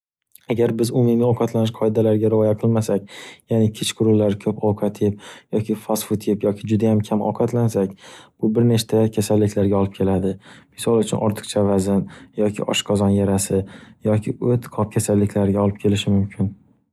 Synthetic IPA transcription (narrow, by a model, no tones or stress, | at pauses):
aɡʲaɾbɪzʊmɪmiɒqʰɑt̪lanɪʃqʰɒɪd̪alaɾɪɡʲaɾɪɒjaqʰɨlˠmasak̚ʲjanɪkʲʰɪt͡ʃkʰʊɾʊlːaɾkʲʰɵpɒwqʰat̪ʰipjɒkʲʰɪfasfʊt̪ʰipjɒkʲʰɪd͡ʒʊd̪ajamkʲʰamɒ̰qʰɑt̪lansakʲb̥ʊbɪɾnet͡ʃt̪ʰakʲʰasalːɪkʲlaɾɡʲaɒlˠɪp̚kʲʰe̞lad̪ɪmɪsɒlˠʊt͡ʃʰʊ̰nʔɒɾt̪ʰɨ̥qt͡ʃʰavazɪnjɒkʲʰɪ̰ʔɒ̰ʃqʰɒzɒnjaɾasɪjɒkʲʰɪot̪qʰɒp̚kʲʰasalːɪkʲlaɾɪɡʲaɒlˠɪp̚kʲʰe̞lɪʃɪmʊmkʲʰɪn